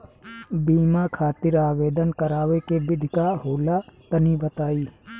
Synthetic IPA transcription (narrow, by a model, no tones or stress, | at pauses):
biːmakʰaːt̪ɪɾaːʋeːd̪ənkəɾaːʋekebɪd̪ʱkaɦoːlat̪ənibət̪aːiː